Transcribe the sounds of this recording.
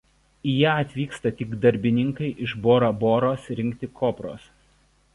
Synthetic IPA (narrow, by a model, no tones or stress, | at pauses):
ijæːɐt̪ʲʋʲiːkst̪ɐt̪ʲɪɡd̪ɐɾʲbʲɪnʲɪŋkɐɪʔɪʃboːɾɐboːɾoːsɾʲɪŋʲkt̪ʲɪkʰoːpɾo̰ːs